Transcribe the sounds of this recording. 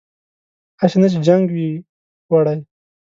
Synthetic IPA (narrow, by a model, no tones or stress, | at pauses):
aɕenat͡ʃed͡ʒaŋɡwi | waɽaj